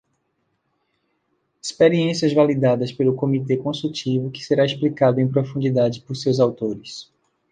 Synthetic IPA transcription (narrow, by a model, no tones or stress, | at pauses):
ispeɾiẽsiɐzvalid̪ad̪ɐspelʊkõmit̪ekõsut͡ʃivʊkɪ̥seɾaisplikad̪ʊẽj̃pɾofũd͡ʒid̪ad͡ʒɪpoɾsewzawt̪oɾɪs